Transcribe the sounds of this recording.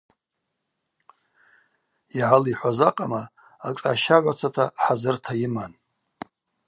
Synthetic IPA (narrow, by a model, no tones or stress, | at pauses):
jaʕaliħʷazaqʼamaː | kʼa̰ʃaʕʷat͡sʰatʰa̰ħazɨrtʰajiman